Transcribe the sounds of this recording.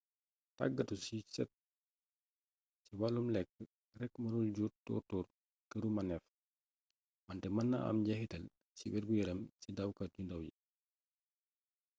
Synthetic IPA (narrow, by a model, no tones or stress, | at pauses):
ta̰ɡːɐtusit͡ʃɛ̰t̚ | ciwalumlɛkː | rɛkːmɐnulɟutɔ̰tɔːr | kəɾumɐnɛf | mɐntɛmɐnːɐ̰ʔɐ̰mɟɐxitɐl | ciwɛɾbujɛɾɐmcidɐwkɐɟundɐwjḭ